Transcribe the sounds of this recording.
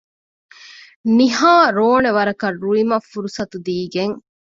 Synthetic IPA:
niɦaːɾoːneʋɐɾɐkɐrːuɭimɐfːuɾusɐt̪ud̪iːɡeŋ

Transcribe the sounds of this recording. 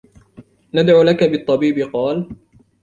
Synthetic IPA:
nad̪ʕuːlakabɨt̪ˤːɑbiːbɪqɑːl

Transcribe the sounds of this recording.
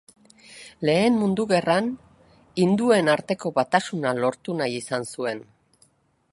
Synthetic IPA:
le̞ːnmund̪uɣe̞ran | ind̪ue̞naɾt̪e̞ko̞βat̪asunalo̞ɾt̪unajisansue̞n

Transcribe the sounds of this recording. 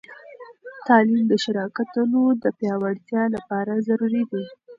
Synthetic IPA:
t̪ɑlimd̪əʃaɾɑkat̪unod̪əpjɑwaɽt̪jɑlapɑɾazaɾuɾid̪e

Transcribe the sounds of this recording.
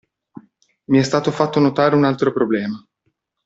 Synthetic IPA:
miɛst̪aːt̪ofat̪ːonot̪aːɾeunalt̪ɾopɾoblɛːma

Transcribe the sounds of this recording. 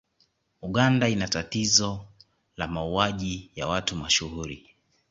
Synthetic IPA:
uɠandainatatizɔ | lamauaʄijawatumaʃuhuɾi

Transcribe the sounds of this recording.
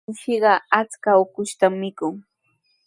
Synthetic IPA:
ʃɪɢɑat͡skaokʊʃt̪amːɪkʊŋ

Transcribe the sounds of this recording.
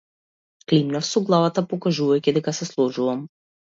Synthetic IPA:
klimnafsɔɡlˠavat̪apɔkaʒuvajkʲid̪ɛkasɛslˠɔd͡ʒuvam

